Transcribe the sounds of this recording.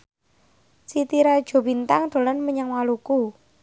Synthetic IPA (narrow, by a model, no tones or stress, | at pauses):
sit̪iɾad̥ʒ̥o̤bint̪aŋd̪̥o̤lanməɲaŋwaluku